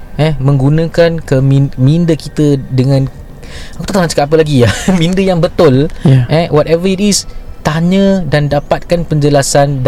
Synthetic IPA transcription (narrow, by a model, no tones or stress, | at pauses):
ʔɛmə̃ŋɡunãkankəmimĩndəkit̪ədəŋãn | akut̪at̪aat͡ʃə̥kaapəlaɡiamĩndəjaŋbət̪ʊlʔɛwɔtɛvəitist̪aɲə̃dandapat̪̚kanpəɲd͡ʒəlasand